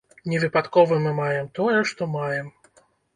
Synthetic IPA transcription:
nʲɛvɨpat̪kɔvɨmɨmajɛmt̪ɔjɛʂt̪ɔmajɛm

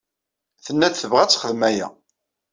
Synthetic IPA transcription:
θənːæt͡sθəvʁæt͡sːχəðmæjæ̰

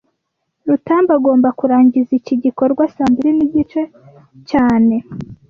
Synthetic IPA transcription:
ɾutaːmbaɡo̞ːmbakuɾaːɲɟiziciɟiko̞ɾɡwasaːmbiɾiniɟit͡ʃe̞ | caːne̞

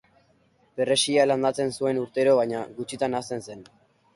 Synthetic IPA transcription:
be̞re̞sialand̪at͡se̞nsue̞nuɾt̪e̞ɾo̞βaɲaɡut͡ʃit̪anast̪e̞nse̞n

